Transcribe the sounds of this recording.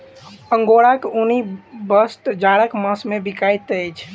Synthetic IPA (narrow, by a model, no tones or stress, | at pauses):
əŋɡoɽakunibəst̪d͡ʒaɽəkməsmẽbikajt̪ət͡ʃʰ